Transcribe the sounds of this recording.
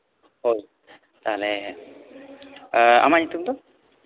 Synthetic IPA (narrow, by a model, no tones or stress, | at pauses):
hoj | t̪aɦlɛ | a̰manit̪umd̪ɔ